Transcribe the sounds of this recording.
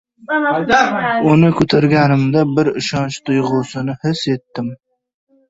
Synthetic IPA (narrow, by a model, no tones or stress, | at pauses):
ʊnɪkʲʰɵt̪ʰaɾɡʲænɪmd̪abɪɾɪ̰ʃɑnt͡ʃt̪ʰʊjʁʊsɨnɪhɪset̪ːɪm